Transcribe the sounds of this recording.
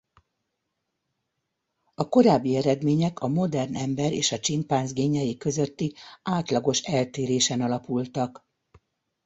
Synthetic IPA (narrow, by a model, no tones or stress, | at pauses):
ɒko̞ɾaːbːiɛɾɛd̪meːɲɛkʰɒmo̞d̪ɛrnʔɛmbɛɾḛːʃɒt͡ʃimpaːnzɡeːɲɛjikø̞zøt̪ːiaːt̪lɒɡo̞ʃɛlt̪eːɾeːʃɛnɒlɒpult̪ɒk